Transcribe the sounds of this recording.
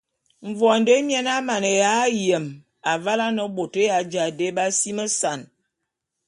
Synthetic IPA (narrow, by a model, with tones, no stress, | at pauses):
ɱ˨vwɔ˨n̩˨də˦mjɛ˦na˦ma˨nə˨ja˨˦jə˨m | a˨va˦la˦nə˦bo˨tə˦ja˨˦d͡ʒa˨de˦ba˦si˦mə˦sa˨n